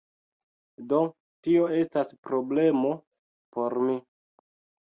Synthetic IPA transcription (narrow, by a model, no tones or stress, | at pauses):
do̞ | tio̞e̞staspɾo̞ble̞mo̞ | po̞ɾmi